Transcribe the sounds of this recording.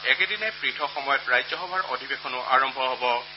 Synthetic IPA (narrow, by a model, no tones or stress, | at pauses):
ɛkedinɛpɹitʰɔxɔmɔjɔtɹajzɔxɔbʱaɹo̰dʱibekʰɔnʊʔaɹɔmbʱɔɦɔbɔ